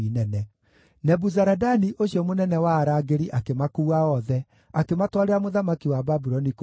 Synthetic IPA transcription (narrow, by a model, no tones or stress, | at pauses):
inɛnɛ | nɛbuzaɾadaniʔoɕiɔmonɛnɛwaːɾaɡeɾiʔakemakuːaɔðɛ | akematwaɾeɾamoðamakiwababuɾɔnik